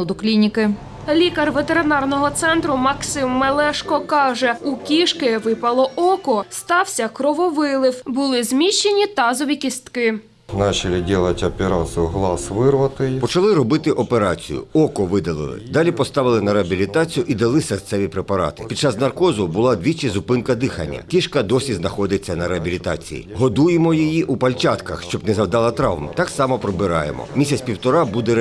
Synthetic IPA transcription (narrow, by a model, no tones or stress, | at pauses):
d̪ʊklʲinʲikɪ | lʲikɐrʋet̪eɾɪnɑrnɔɦɔt̪sɛnt̪ɾʊmɐksɪmːelˠɛʃkɔkɑʒɛukʲiʃkɪʋɪpɐlˠɔʔɔkɔst̪ɑwsʲɐkɾɔʋɔʋɪlˠɪwbʊlˠɪzmʲiʃt͡ʃːenʲit̪ɑzɔʋʲikʲist̪kɪ | nɑt͡ʃɐlʲɪdʲilˠɐtʲɐpʲɪɾɑsjʊɦlˠɑsʋɪrʋɐt̪ɪjpɔt͡ʃɐlˠɪɾɔbɪt̪ɪʔɔpeɾɑt͡sʲḭjʊ̰ɔkɔʋɪd̪ɐlˠɪ̰lˠɪ̰d̪ɑlʲipɔst̪ɑʋɪlˠɪnɐɾeɐbʲilʲit̪ɑt͡sʲijʊʔid̪ɐlˠɪsɐrt̪sɛʋʲipɾepɐɾɑ̰t̪ɪ̥pʲid̪̚t͡ʃɑznɐrkɔzʊbʊlˠɑd̪ʲʋʲit͡ʃɪzʊpɪnkɐd̪ɪxɐnʲːɐ̰kʲiʃkɐd̪ɔsʲiznɐxɔd̪et͡sʲːɐnɐɾeɦɐbʲilʲit̪ɑ̰t͡sʲḭjḭɦɔd̪ujemɔjijiʔupɐlʲt͡ʃɑt̪kɐxʃt͡ʃɔbnɛzɐwd̪ɑlˠɐt̪ɾɑʋmt̪ɑksɑmɐpɾɔbɪɾɑ̰jḛmɔ̰mʲisʲɐt͡sʲpʲiwt̪ɔɾɑbud̪ɛ